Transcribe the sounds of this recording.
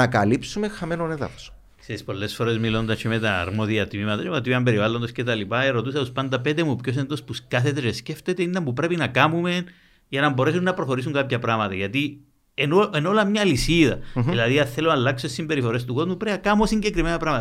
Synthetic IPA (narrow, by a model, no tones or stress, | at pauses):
ɐkɐlipsumexɐmenoneðɐ̰fo̥so̥ | kseispo̞lːe̞sfo̞ɾe̞zmilo̞nd̪ɐt͡ʃʰemet̪ɐ̰ːɾmoðiɐt̪imimɐt̪ɐt͡ʃemot̪iiɐmbe̞ɾivalːo̞nd̪oscet̪ɐlipɐeɾo̞t̪usɐt̪uspɐnd̪ɐpet̪emupços̬e̞nd̪o̞spuskɐθet̪eresce̞ft̪et̪eind̪ɐmpupɾe̞pinɐkamume̞n | ʝɐnɐmbo̞ɾe̞sunːɐpɾoxo̞ɾis̬uŋkapçɐpɾɐmɐt̪ɐʝɐt̪i | enoenolɐmɲɐlisiðɐðilɐðiɐθeloalːɐksoessimbe̞ɾifo̞ɾe̞st̪uko̞zmupɾeɐkamosiɲɟekɾime̞nɐpɾɐmɐt̪